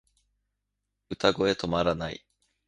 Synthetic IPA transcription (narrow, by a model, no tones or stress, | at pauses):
ɯ̟t̪aɡo̞e̞t̪o̞maɾanaḭ